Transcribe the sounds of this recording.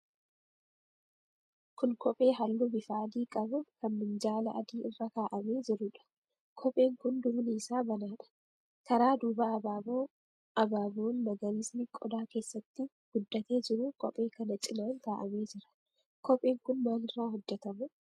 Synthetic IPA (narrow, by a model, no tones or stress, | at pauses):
kʊnkʰɔpʼe̞ːɦɐlːubɪfaːd̪iːkʼɐbʊkɐnːɪnd͡ʒaːlɐːd̪iːɪrːɐkaːʔɐme̞ːd͡ʒɪɾʊᶑɐ̥ | kʰɔpʼe̞ːŋkʊnd̪ʊbniːsaːbɐnaːᶑɐ̥ | kɐɾaːd̪uːbɐːbaːboː | ɐbaːboːnːɐɡɐɾɪsnɪkʼɔd̪aːke̞ːsːɐt̪ːɪ | ɡ̥ʊd̪ːɐt̪e̞ːd͡ʒɪɾʊkɔ̰pʼe̞ːkɐnɐt͡ʃʼɪnaːŋk̪aːʔɐme̞ːd͡ʒɪɾɐ̥ | kʰɔpʼeːŋkʊnmaːnɪrːaːɦɔd͡ʒːɛt̪ɐmʊ